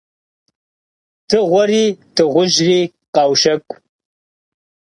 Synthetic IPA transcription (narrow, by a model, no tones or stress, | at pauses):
tʰɨʁʷaɾitʰɨʁʷʊʒri | qɑwʃɐkʷʼ